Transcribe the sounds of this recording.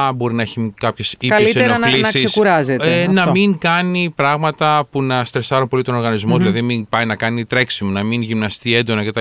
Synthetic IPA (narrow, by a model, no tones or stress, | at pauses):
bo̞ɾinɐeçikɐpçesikɐɐlitseeɾoɐnlinsɐsiseskuɾɐzetenɐmiŋkɐnipɾɐɣmɐt̪ɐpunɐst̪ɾesɐɾunpo̞lit̪o̞no̞ɾɣɐnizmo̞ðilɐðiminpɐjnɐkɐnit̪ɾe̞ksimunɐminʝimnɐst̪iend̪o̞nɐket̪ɐ